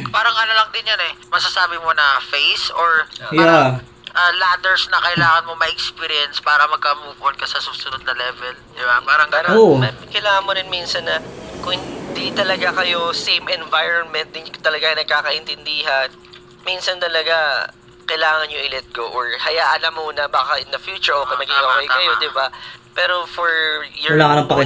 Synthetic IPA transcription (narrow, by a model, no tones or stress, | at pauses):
paːɾɐŋʔɐlɐlɐŋ̚d̪ɪnjɐnɛmɐsasaːbɪmonɐfejsoɹja | ʔɐlad̪ɛɹsnɐkɐʔɪlaːŋɐnmo̞mɐʔɛkspiːɾɪɛnspaːɾɐmɐɡ̚kɐmuːponkɐsɐsuːsʊnod̪̚nɐlɛːvɛld̪ɪbapaːɾɐŋkaɾoɐkɐjlaːŋɐnmoɾɪnminsɐnːɐkʊŋhɪnd̪it̪ɐlɐɡakɐjosejmɛnvajɾonmɛnt̪̚d̪ɪt̪ɐlɐɡajnɐɡ̚kaːkɐʔɪnt̪ɪnd̪iːɦɐn | minsɐnt̪ɐlɐɡa | kɐjlaːŋɐnɲoʔɪlɛt̪̚ɡoʔoɹhɐjaːʔɐnɐmːonɐbaːkɐʔɪnd̪ɐfjuːt͡ʃʊɹʔoːkɛjnɐɡiɡɐwajkɐjod̪ɪbapɛːɾo̞foɹjɐlaːŋɐnɐŋpɐkɪ